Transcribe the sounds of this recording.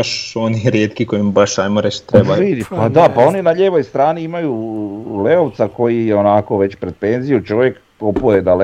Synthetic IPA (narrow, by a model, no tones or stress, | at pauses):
ʃoniɾjeːt̪kiko̞imbaʃajmoɾet͡ʃt̪ɾebaid̪ipad̪apao̞ninaʎeʋo̞jst̪ɾaːniimajuleoʋt̪sako̞jijeonako̞ʋe̞t͡ɕpɾe̞d̪̚pe̞nzijut͡ʃo̞ʋjek | opujed̪al